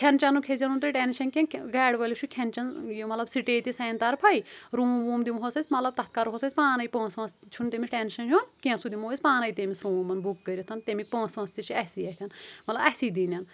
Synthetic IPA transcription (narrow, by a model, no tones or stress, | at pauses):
kʰʲent͡ʃɐnukʰezʲɐnunt̪ɐʈeːnʃɐnkʲẽnɡaːɽʋɐlʲit͡ʃʰukʲʰɐnt͡ʃɐnjimɐt̪lɐbsiʈeːt̪isɐːnt̪ɐɾpʰɐiɾuːmʋuːmd̪imɦosɐsʲmɐt̪lɐb̚t̪ɐt̪̚ʰkaɾɦosɐsʲpaːnɐipõːsɐ̃st͡ʃʰunt̪emisʰʈenʃɐnjunkʲẽsud̪imoːisʲpaːnɐjit̪emisɾoːmɐnbukːəɾʲit̪ʰɐnt̪emik̚põːsɐ̃st̪it͡ʃʰiɐsiɐt̪ʲʰɐnmɐt̪lɐbɐsid̪inɐn